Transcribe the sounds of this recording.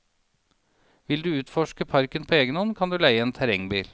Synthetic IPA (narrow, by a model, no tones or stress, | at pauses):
ʋɪld̪ʉːʉːt̪fɔʃkəpʰɑɾkənpʰoːeːɡənhɔnkʰɑnd̪ʉːlæɪəeːnt̪ʰæɾɛŋbiːl